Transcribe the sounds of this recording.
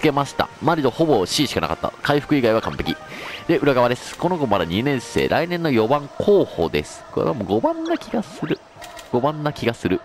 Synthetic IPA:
t͡sɨ̥ke̞maɕi̥t̪a̰maɾʲid̪o̞ho̞bo̞ɕiːɕi̥kana̰ka̰t̪ːa̰kaiɸɯ̥kɯ̟iɡaiβakã̰mpe̞kʲid̪e̞ɯ̟ɾaɡaβad̪e̞sɨ̥ko̞no̞ɡo̞mad̪aɲ̟inẽ̞ɰ̃se̞̰ːɾʔa̰inẽ̞nːo̞jo̞bãŋkʰo̞ːho̞̰ːd̪e̞̰sɨ̥ko̞ɾḛβamo̞ɡo̞bãnːakʲiɡasɨɾɯ̟ | ɡ̥o̞bãnːakʲiɡasɨɾɯ̟

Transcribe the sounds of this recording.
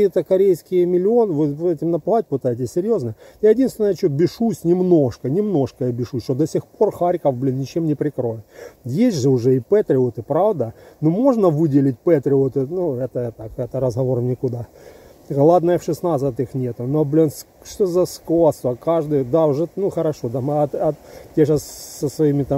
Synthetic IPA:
ijət̪əkɐɾʲejskʲɪjəmʲɪlʲɪo̞nɨvɨɛtʲɪmnɐplˠatʲpɨt̪ajɪt̬ʲɪsʲsʲɪɾʲjo̞znəjajɪdʲinst̪vʲɪnəjət͡ɕobʲɪʂusʲnʲɪmno̞ʂkɐnʲɪmno̞ʂkəjɐbʲɪʂusʲʂt̪od̪ɐsʲɪxpo̞rxaɾʲkəvblʲinnʲɪt͡ɕemnʲɪpɾʲɪkɾo̞jʲɪt̪jesʲʐɨʊʐɛɪpɛt̪ɾʲɪʊt̪ɨpɾavd̪ənumo̞ʐnəvɨdʲɪlʲɪt̚ʲpɛt̪ɾʲɪut̪ɨnuɛt̪ət̪akɛt̪əɾəzɦɐvo̞rmnʲɪkʊd̪a | ɡɐlˠad̪nəjəfʂɨsnat̪sɨt̪ɨxnʲet̪ʊnoblʲins | ʂt̪ozɐskost̪ɐkaʐd̪ɨjd̪aʊʐɛnuxəɾɐʂo̞d̪amt̪ɐt̪tʲeʂassəsvɐimʲɪt̪a

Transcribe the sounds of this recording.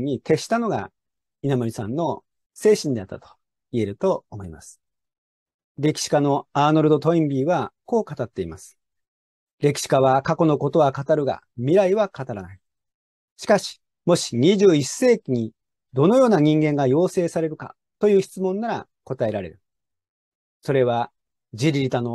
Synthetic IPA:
ɲ̟ːit̪e̞ɕi̥t̪ano̞ɡa̰ | inamoɾʲisã̰nːo̞ | se̞ːɕĩnd̪e̞at̪ːat̪o̥ | ie̞ɾɯ̟t̪oomo̞imasɨ̥ | ɾe̞kʲi̥ɕi̥kano̞aːnoɾɯ̟d̪ot̪oĩmbʲiːβako̞ːkat̪at̪ːe̞imasɨ̥ | ɾe̞kʲi̥ɕi̥kaβakako̞no̞ko̞t̪o̞βakat̪aɾɯ̟ɡa̰ | mʲiɾaiβakat̪aɾanai | ɕi̥kaɕi̥ | mo̞ɕi̥ɲ̟iʑɨːise̞ːkʲiɲ̟i | d̪o̞no̞jo̞ːnaɲ̟ĩŋɡẽ̞ŋɡajo̞ːse̞ːsaɾe̞ɾɯ̟ka̰ | t̪o̞jɯ̟ːçi̥t͡sɨmõ̞nːaɾa̰ | ko̞t̪ae̞ɾaɾe̞̰ɾɯ̟ | so̞ɾe̞βa | d͡ʑiɾʲiɾʲit̪ano̞

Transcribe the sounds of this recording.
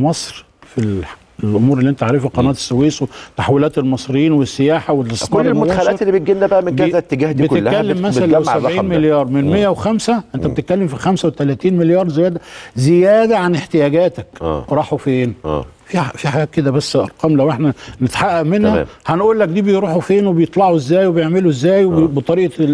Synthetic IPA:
mɑsˤɾ | fil | elʔomuːɾelːiʔent̪ʕaʕɾefelqɑnæːt̪e̥sːeweːswet̪ːaħwilæːt̪elmɑsˤɾejːiːnwesːejaːħawelsnoɑlːelmxælæːelːibet̪̚ɡenːæbæʔæmenkæzæt̪ːeɡæːhdbielːæælːemːæsælææwsæbʕiːnmeljɑːɾˤmenmejːæwexæmsæʔent̪æbet̪et̪̚kælːemfixæmsæwet̪ælæːt̪iːnmeljɑːɾˤzejæːd̪æzejæːd̪æʕaneħt̪ejæːɡæːt̪ækːɾˤɑːħofeːnʔ | fifiħaɡæːt̪̚ked̪æbæsːʔɑ̰ɾˤqɑːmlæwʔeħnænet̪ḁħaʔːæʔmenhæhænʔuːlːæk̚d̪iːbejɾuːħufeːnwebejet̪ˤlɑʕuezːæːjwebejeʕmeluezːæːjbet̪ˤɑɾiːʔɑ

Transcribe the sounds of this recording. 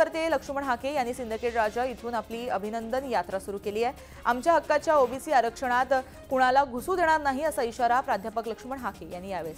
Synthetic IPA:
əɾt̪eləkʂəməɳɦakejanːiːsind̪ikeʈɾad͡ʑait̪ʰuːnapliːəbʱinənd̪ənjat̪ɾasuɾuːkeliːjɛ | amt͡ɕjaɦəkːat͡ɕjaobʱisiːaɾəkʂəɽ̃at̪ | kuɽ̃alaɡʱusuːd̪eɽ̃aɾnaɦiəsaiɕaɾapɾad̪ʱjapəkləkʂəməɳɦakejanːiːjaʋe

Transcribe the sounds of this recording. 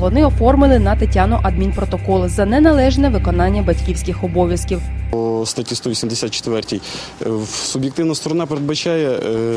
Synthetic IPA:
ʋɔnɪɔfɔrmɪlˠɪnɐt̪ɐtʲanʊʔɐd̪̚mʲinpɾɔt̪ɔkɔlˠzɐnɛnɐlˠɛʒnɛʋɪkɔn̪ɑnʲːɐbɐtʲkʲiwsʲkɪxɔbɔʋʲjɐskʲiwɔst̪ɐtʲist̪ɔʋisʲimd̪ʲesʲat̪t͡ʃe̥t̪ʋɛrtʲij | sʊbjek̚t̪ɪwnɐst̪ɔɾɔnɑpeɾed̪bɐt͡ʃɑjɛ

